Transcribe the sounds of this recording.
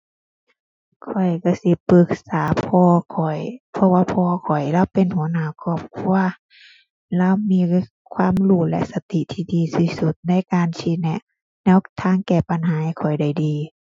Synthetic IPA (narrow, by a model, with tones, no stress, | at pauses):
kʰɔ˨˩jka˧˩si˧˦pɯ˧˦k̚saː˨˦pʰɔː˧kʰɔ˨˩jpʰɔ˧waː˧pʰɔː˧kʰɔ˨˩jlaː˧˥˨wpe˨nhu˨˦ɐ˦naː˧˩˨kʰɔː˧˩p̚kʰu˧ɐ | la˧˥˨wmiː˧˥˨ | kʰwaː˧˥˨mluː˧˩lɛ̰˧˥sa˧t̪i˧˨t̪ʰiː˧˩diː˨˧˦si˧˩su˧˦t̪̚na˧˥˨jkaː˨nsi˧˩nɛ˧˩ | nɛː˧˥˨wt̪ʰaː˧˨ŋkɛː˧˩pa˧˨nɦaː˨˦˧kʰɔ˨˩jda˧˩jdiː˨˦